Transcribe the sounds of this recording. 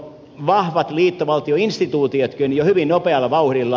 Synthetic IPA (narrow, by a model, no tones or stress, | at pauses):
ʋɑhʋɑt̪liːt̪ːoʋɑlt̪ioinst̪it̪uːt̪iot̪kønjohyʋinnopeɑlːɑʋɑuhrilːɑ